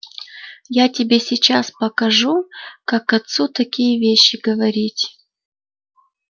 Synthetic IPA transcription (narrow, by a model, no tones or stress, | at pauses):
jatʲɪbʲesʲit͡ɕaspɐkɐʐukakɐt̪sut̪ɐkʲijəvʲeɕːɪɡɐvɐɾʲitʲ